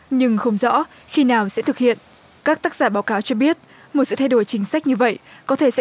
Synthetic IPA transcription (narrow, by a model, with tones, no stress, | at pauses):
ɲɨ˧ŋxə˧wŋ͡mzɔ̰˧˥ | xi˧naː˨˩wsɛ̰˧˥t̪ʰɨ˨˩k̚hḭ˧˨ən | kaː˦˥k̚t̪aː˦˥k̚zaː˧˩ɓaː˨˦wkaː˨˦wt͡ɕɔ˧ɓi˦˥ət̚ | mo˨˩t̚sɨ̰˧˨t̪ʰa˧jɗo˧˩jt͡ɕï˨˦ŋ̟sa˦˥k̚ɲɨ˧və̰˧˨jkɔ˨˦t̪ʰe˧˩sɛ̰˧˥